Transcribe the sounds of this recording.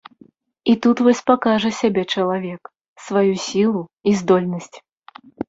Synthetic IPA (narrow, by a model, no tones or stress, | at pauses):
it̪ut̪vɔsʲpakaʐɐsʲabʲɛt͡ʂɐlˠavʲɛk | svajusʲilˠuizd̪ɔlʲnɐsʲt͡sʲ